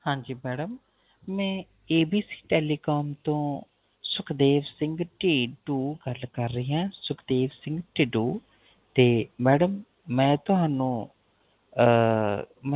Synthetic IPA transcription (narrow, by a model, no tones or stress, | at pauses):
hãːd͡ʒiːmɛːɖəmː | ɛ̃ː | eːbiːsi̥ːʈɛːliːkaːmt̪õː | sʊkʰd̪eːʋsɪ̃ŋɡʈeːʈuːɡəlkəɾːəɦiãːsʊkʰd̪eːʋsɪ̃ŋɡʈeːʈuː | t̪eːmɛːɖəmː | ɛ̃ːt̪ʊɦaːnũː